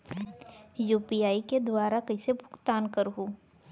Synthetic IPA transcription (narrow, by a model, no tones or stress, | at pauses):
juːpiaːiked̪waːɾakɐisebʱʊ̥kt̪aːnkəɾɦuː